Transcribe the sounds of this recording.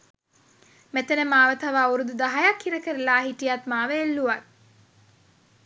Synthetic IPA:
met̪enəmaːʋət̪aʋəːuɾud̪ud̪aɦajakʰːiɾəkəɾelaːɦiʈijat̪maːʋeːlːuʋat

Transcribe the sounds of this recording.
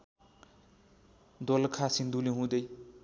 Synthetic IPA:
d̪olkʰasind̪uliɦũd̪ʌj

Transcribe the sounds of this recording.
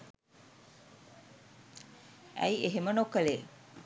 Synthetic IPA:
æ̰ieɦemənokəle

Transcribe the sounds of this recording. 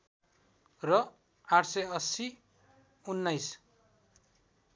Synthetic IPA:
rʌ | aʈʰsʌjʌsi | unːajs

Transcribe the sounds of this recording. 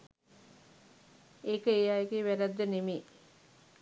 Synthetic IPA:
eːkəejaːjeɡeːʋæɾæd̪ːənemeː

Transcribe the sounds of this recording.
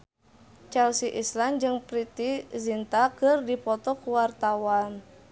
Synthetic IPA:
t͡ʃɛlsiʔisland͡ʒɨŋpɾit̪izint̪akərdipɔt̪ɔkuwart̪awan

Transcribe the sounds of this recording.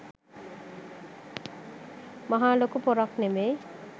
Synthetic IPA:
mʌɦalokupɔɾɔkneme

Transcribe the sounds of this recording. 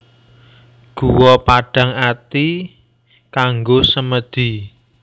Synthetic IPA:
ɡ̥uwɔpaɖ̥ä̤ŋat̪i | kaŋɡosəməd̪̥i̤

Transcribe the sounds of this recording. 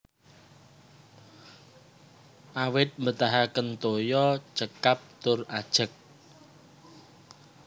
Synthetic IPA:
ʔawɪt̪̚mbət̪aɦakənt̪ojɔt͡ʃəkap̚t̪ʊrad̥ʒ̥ə̤k̚

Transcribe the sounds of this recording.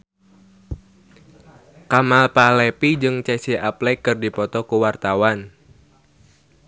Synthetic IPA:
kamalpalɛpid͡ʒɨŋt͡ʃɛsiʔaplɛkɨrdipɔt̪ɔkuwart̪awan

